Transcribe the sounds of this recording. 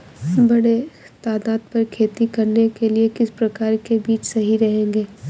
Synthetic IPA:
bɐɽ̃et̪aːd̪aːd̪̚pɐɾkʰeːt̪ikɐɾnekeliekɪspɾɐkaːɾkebiːt͡ʃsɐɦiɾɐɦẽːŋɡeː

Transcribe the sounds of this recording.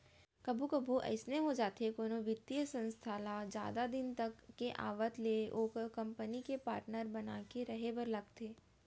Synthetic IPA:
kɐbʱukɐbʱuʔɛ̰ɪsneɦod͡ʒaːt̪ekoːnoʋɪt̪ːijəsə̃nst̪ʰaːlad͡ʒja̰ːd̪ad̪ɪnt̪ɐkːeʔa̰ːʋət̪leʔoːkkɐ̃mpənikepaːɾʈnəɾbɐnaːkeɾɐɦebɐɾlɐɡt̪ʰeː

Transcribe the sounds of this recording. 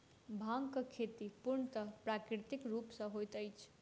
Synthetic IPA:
bʱãŋkəkʰet̪ipuɾɳt̪ʌpɾakɾit̪ikɾupsʌ̃ɦojt̪əjt͡ʃʰ

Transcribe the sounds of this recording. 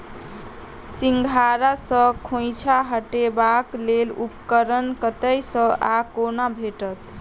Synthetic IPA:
siŋɡʱaɾasəkʰõjt͡ʃʰaɦəʈebaklelupkəɾənkət̪əjsə̃ʔakonabʱeʈət̪

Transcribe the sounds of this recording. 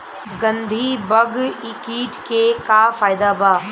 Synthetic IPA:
ɡɐ̃nd̪ʱiːbɐɡɪkiːʈkekafaːjd̪aːbaː

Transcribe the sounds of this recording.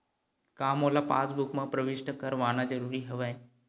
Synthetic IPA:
kamolapa̰sbukmãpɾəʋiʃʈəkəɾʋaːnad͡ʑəɾuːɾiːɦəʋaj

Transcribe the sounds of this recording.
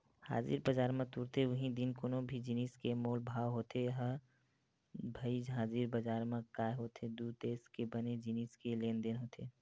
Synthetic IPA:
ha̰ːzḭːɾbəd͡ʒaːɾmãt̪uɾt̪eʋəɦĩd̪inkoːnõbʱid͡ʒiniskemoːlbʱaːʋɦoːt̪eɦə | bʱəid͡ʒɦaːziɾbəd͡ʒaːɾmãkaːjɦoːt̪ʰed̪ud̪̚t̪eːskebəned͡ʒiniːskeleːnd̪enɦoːt̪ʰe

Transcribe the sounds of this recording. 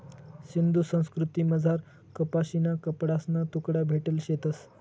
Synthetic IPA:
ɕind̪usə̃w̃skɾut̪iməd͡zʱaɾ | kəpaɕinakəpɽasnat̪ukɽjabʱeʈəlɕet̪əs

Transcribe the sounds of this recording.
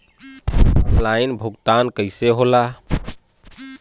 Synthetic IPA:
plainbʱuɡt̪ankəɪseɦola

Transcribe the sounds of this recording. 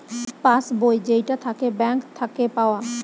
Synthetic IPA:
pasbojd͡ʒeiʈat̪ʰakebɛ̃ːŋkt̪ʰːakepaːʋa

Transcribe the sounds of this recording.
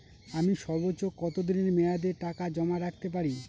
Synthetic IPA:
amiʃɔɾbotːokɔt̪od̪ineɾmead̪eɾʈakad͡ʑɔmaɾak̚t̪ep̬aɾi

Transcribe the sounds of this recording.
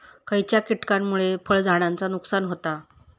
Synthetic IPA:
kəjt͡ɕjakiʈkamːuɭefəɭd͡zʱaɽ̃ant͡sanuksanɦot̪a

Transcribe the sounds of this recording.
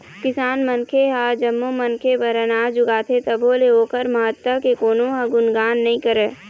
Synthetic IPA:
kɪsaːnmənkʰeɦad͡ʒəmːomənkʰebəɾənaːd͡ʒʊɡaːt̪ʰet̪ɐbʱoːleoːkəɾməɦət̪wəkekoːnõɦaɡʊnɡaːnːɐɦĩkəɾeː

